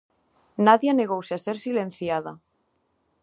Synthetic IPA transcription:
naðjaneɣ̞owseaseɾsilẽn̟θjaða

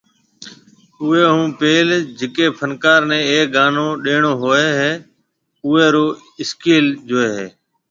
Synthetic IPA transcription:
ʊːeːɦũːpeːld͡ʒɪkeːpʰənkaːɾnɛ̃ːeːɡaːnõːɗeːɳoːɦoːeːɦeː | ʊːeːɾoː | ɪskiːld͡ʒoːeːɦeː

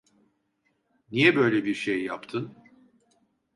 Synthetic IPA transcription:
nijɛbø̞jlʲɛbiɾʃejːa̰pt̪ʰɯn

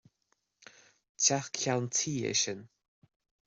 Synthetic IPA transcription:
tʰaxkʰalntʰiːɛ̰ʃən

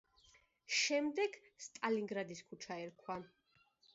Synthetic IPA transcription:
ʃɛmd̪ɛɡ | st̪ʼaliŋɡɾad̪iskʰut͡ʃʰaɛɾkʰwa

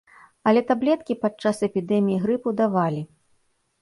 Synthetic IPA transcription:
ɐlʲɛt̪ablʲɛt̪̚kʲipat͡ʂasɛpʲid̪ɛmʲijiɣɾɨpud̪avalʲi

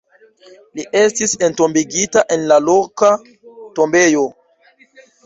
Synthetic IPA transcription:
liʔe̞stisento̞mbiɡitaʔe̞nlalo̞ka | to̞mbe̞jo̞

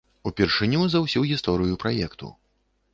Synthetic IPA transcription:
upʲɛrʂɨnʲuzɐwsʲuɣʲist̪ɔɾɨjupɾajɛkt̪ṵ

